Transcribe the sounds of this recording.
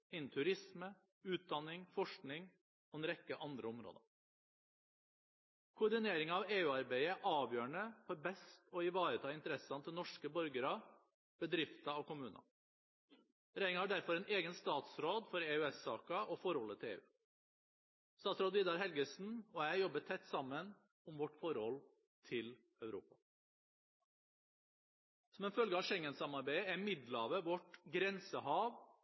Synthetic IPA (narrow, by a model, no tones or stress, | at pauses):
ɪnt̪ʰʉɾɪsmə | ʉːt̪̚d̪ɑnːɪŋfɔʂkɳɪŋ | ɔɛnɾɛkːəʔɑnd̪ɾəʊmɾo̰ːd̪ə̰ | kʰʊːɖɪneːɾɪŋɑʋeːʉːɑɾbæɪəʔɑːʋjøːɳəfɔɾbɛst̪ɔɪʋɑːɾət̪ʰɑːɪnt̪əɾɛsɑnt̪ʰɪlnɔʂkəbœɾɡəɾɑ | b̥əd̪ɾɪft̪ɑoːkʊmʉːnɑ̰ | ɾæɪɪŋhæɖæɾfɔɾɛneːɡənst̪ɑːt̪sɾoːd̪fɔɾeːʉɛsːɑːkɑʔɔfɔɾhɔlːət̪ʰɪlḛːʉ̰ː | st̪ɑːsɾoːd̪ʋiːd̪ɑɾɦɛlɡəsn̩ɔæɪjɔbəʈ̪ʰɛt̪ːsɑmːən | ʊmʋɔʈfɔɾhɔl | t̪ʰɪl | œʉɾṵːpɑ | sɔmɛnfœlɡəɑʂɛŋːənsɑmɑɾbæɪəæmɪd̪lɑʋəʋɔʈɡɾɛnsəhɑːʋ